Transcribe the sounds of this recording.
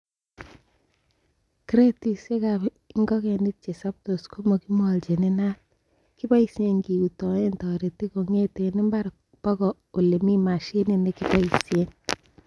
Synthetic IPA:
kɾe˦ti˨se˦ka | ŋɡɔ˦kɛni˦t̚t͡ʃe˨sa˦p̚to˨sko˦mo˨ki˦mɔ˨lt͡ʃe˨ne˦na˦t̚ | ki˦ba˦i˦sje˨ŋɡi˨u˨tɔ˨e˦ntɔ˨ɾe˨ti˦ko˨ŋe˦te˨ni˦mba˦ɾ | pɔ˦ɡɔ˨ | o˨le˨mi˦ma˨ʃe˦ne˨ne˨ki˦ba˦i˨sjen

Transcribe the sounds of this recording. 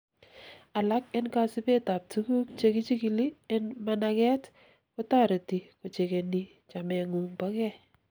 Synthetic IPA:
a˨la˦k̚ɪ˦nka˦sɪ˦be˦ta˨p̚tʰu˦ku˦k̚t͡ʃe˦kɪ˦t͡ʃi˦ki˨li˦ɪ˦nmanakɛ˦t | ko˦ta˦ɾe˨ti˨ko˨t͡ʃe˨ke˨ni | t͡ʃa˨mɛ˨ŋu˨ŋba˦kɛ˦

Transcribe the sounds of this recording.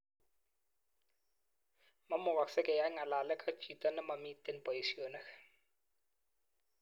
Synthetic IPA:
ma˦mʊ˨ɣa˨ksɛ˦kʼɛ˨ja˦ŋa˨la˨lɛ˦kʼḁ˦t͡ʃi˨tʼanɛ˦mamitɛnpʼɔ˨jisionɛxḁ

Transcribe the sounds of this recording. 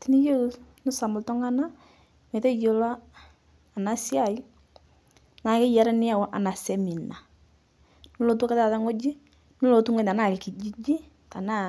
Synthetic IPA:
ti˨ni˦jo˦nʊ˦sa˨mʊ˨ltɔ˦ŋa˦na˦ | me˨ta˦jo˨la˦ | a˨na˨sɪ˦a˦˨i˦ | na˨kɪ˦ja˨ɾa˦nɪ˦a˦˨wɔ˦ʔa˨na˨sɛ˦mi˨na˨ | nʊ˦lo˨tu˦ka˦ta˦˨ta˦ŋo˦d͡ʒi˦ | nʊ˦lo˨tu˦ŋɔ˦˨ta˨na˦˨kɪ˨ki˨d͡ʒi˦d͡ʒi˦ | ta˨na˦

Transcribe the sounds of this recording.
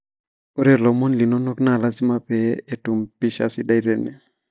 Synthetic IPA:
o˦ɾe˨lɔ˨mo˦nli˨no˦no˦kna˨la˦sɪ˦ma˦pɛ˦e˦tu˨mpɪ˦ʃa̰˦sɪ˦da˦i˦ɾe˦ne˨

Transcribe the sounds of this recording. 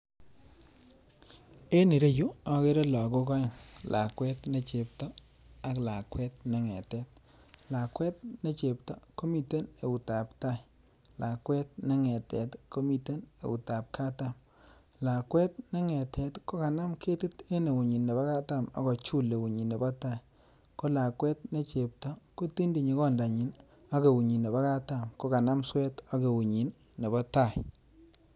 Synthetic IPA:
e˦ni˨ɾe˦ju˦ɔ˨ke˦ɾe˦lɔ˨ko˦kɔ˦˨ŋla˨kwɛ˦tne˦t͡ʃe˨p̚tɔ˦ | a˨˦kla˨kwɛ˦tne˦ŋɛ̰˨tɛ˦t̚la˨kwɛ˦t̚ne˦t͡ʃe˨p̚tɔ˦ko˦mi˨te˦ne˨u˨ta˨pta˦˨j | la˨kwɛ˦t̚na˦ŋɛ˨tɛ˨tko˦mi˨te˦nḛ˨u˨ta˨p̚ka˦ta˦m | la˨kwɛ˦t̚ne˦ŋɛ˨tʰɛ˨˦tko˦ka˨na˦mkʰe˦ti˦te˦ne˨wu˨ɲi˨nːe˨ba˦ka˦ta˦˨ma̰˨kɔ˨t͡ʃu˦le˨wu˨ɲi˨nːe˨bɔ˦ta˦˨j | ko˦la˨kwɛ˦t̚ne˦t͡ʃe˨p̚tɔ˦ko˦ti˦ndi˨ɲi˨˦kɔ˦nda˨ɲi˨n | a˦ke˨wu˨ɲi˨nːe˨ba˦ka˦ta˨mko˦ka˨na˦mswɛ˦ta˦ke˨wu˨ɲi˨nː | e˨bɔ˦ta˦˨j

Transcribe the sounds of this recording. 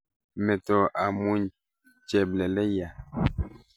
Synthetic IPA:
mɛ˨tɔ˨ʔa˨mu˨ɲ | t͡ʃɛ˨blɛ˨lɛ˦ja˨

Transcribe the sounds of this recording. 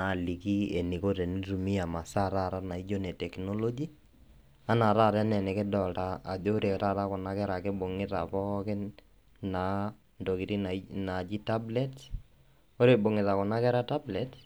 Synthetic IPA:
na˨li˨ki˦e˨ni˨ko˦te˨ni˦ru˨mi˦a˨ma˨sa˦ɾa˦˨ɾa˦na˨i˦d͡ʒo˦nɛ˨tɛ˨knɔ˦lo˦d͡ʒi˦ | a˦na˨ɾa˦˨ɾɛ˦nɛ˨nɛ˨kɪ˦dɔ˨ltaː˦˨d͡ʒo˦ɾe˨ta˦˨ɾa˦kɔ˨na˦kɛ˦ɾa˨kɪ˦bo˨ŋɪ˦ta̰˨pɔ˦kɪ˦n | na˨˦ | ndo˨kɪ˨ɾi˦nana˨d͡ʒi˦ta˦blɛ˦t | o˦ɾe˨bo˨ŋɪ˨ta˨kɔ˨na˦kɛ˦ɾa˦ta˦blɛt

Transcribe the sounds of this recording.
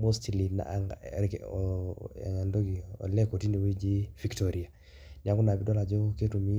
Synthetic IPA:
mo˦sti˨li˨na̰˨k | ɛ̰˨ŋa˨ndo˦ɡi˨ɔ̰˨lɛ˦ko˨ti˦ne˨wi˦d͡ʒi˦fi˨ktɔ˨ɾi˨a˨ | ɲa˨˦ku˦na˨bi˦dɔ˦la˨d͡ʒo˦ke˦tu˨mi˦

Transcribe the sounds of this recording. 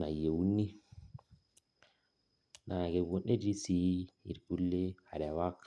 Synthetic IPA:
na˨je˨wu˦nːi˦ | na˨ɡe˨bo˨ne˦d͡ʒi˦si˨˦ḭ˨ɾɡ̥u˦lːe˦ha˨ɾa˨wa˦kː

